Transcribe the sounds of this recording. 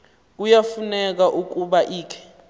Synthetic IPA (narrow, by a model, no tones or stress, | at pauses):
k̬ujafunɛk̬aʔuk̬uɓaʔiːkʰɛ̥